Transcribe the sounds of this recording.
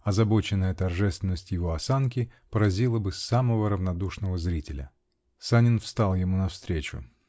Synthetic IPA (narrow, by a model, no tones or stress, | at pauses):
ɐzɐbo̞t͡ɕɪnːəjət̪ɐrʐɛst̪vʲɪnːəsʲtʲjɪvo̞ɐsank̬ʲɪpəɾɐzʲilˠəbɨsaməvəɾəvnɐd̪uʂnəvəzɾʲitʲɪlʲə̰ | sanʲɪnfst̪alˠjɪmunɐfst̪ɾʲet͡ɕʊ̰